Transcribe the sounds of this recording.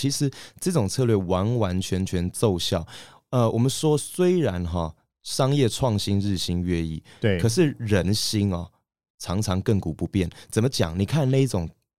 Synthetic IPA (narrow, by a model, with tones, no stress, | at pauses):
t͡ɕʰi˧˥ʂɻ̩˧˦ʈ͡ʂɤ˥˩˧ʈ͡ʂʊ˨˩ŋt͡sʰɤ˥˧lɥɛ˥˩wa˧˥nwa˧˦nt͡ɕʰɥɛ˧˥nt͡ɕʰɥɛ˧˥nt͡so˥˧ʊɕjɑ˥˨ʊ | ə˨˧wʔɔ˨˩mə˦nʂwɔ˦swe˥ɪɻa˧˦nɦɔ˥˨ | ʂɑ˥ŋjɛ˥˨ʈ͡ʂʰwɑ˥˨ŋɕi˥nɻɻ̩˥˩ɕi˧˥nɥɛ˥˧ḭ˥˩˧kʰɤ˨˩ʂ̬ɻ̩˥˩ɻə˧˦nɕi˥ŋɔ˨˩ | t͡sʰɑ˧˥ŋt͡sʰɑ˧˦ŋkə˥˩ŋku˨˩pu˧˦pjɛ˥˩nt͡sə˨˩mə˦t͡ɕjɑ̰˨˩ŋni˨˩kʰa˥˧nna˥˧i˥ʈ͡ʂʊ˨˩ŋ